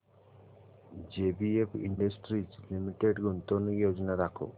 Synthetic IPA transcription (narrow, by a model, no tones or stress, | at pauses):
d͡ʒeːbiepʰḭɳɖɐsʈɾiːslimiʈeɖɡunt̪oːnujoːd͡ʒɐnaɾakʰṵ